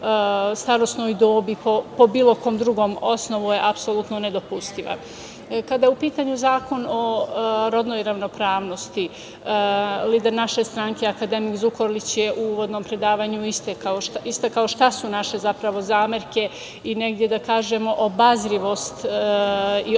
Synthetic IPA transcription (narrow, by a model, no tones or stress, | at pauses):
st̪aɾo̞sno̞jd̪oːbipopo̞biːlˠo̞ko̞ːmd̪ɾuɡo̞mo̞sno̞ʋujeʔapsolˠut̪none̞d̪o̞pust̪iʋa̰ | kad̪ajeupiːt̪aɲuzaːko̞noɾo̞d̪no̞jɾaʋno̞pɾaːʋno̞st̪i | liːd̪e̞ɾnaʃe̞st̪ɾaŋkeakad̪e̞mikzuko̞ɾlit͡ɕjeʔuuʋo̞d̪no̞mpɾe̞d̪aːʋaɲuist̪ekaoʃist̪akao̞ʃt̪asunaʃe̞zapɾaʋo̞zaːmeɾke̞ | ine̞ɡd̪je̞d̪akaːʒe̞mo̞ʔobazɾiʋo̞st̪ | i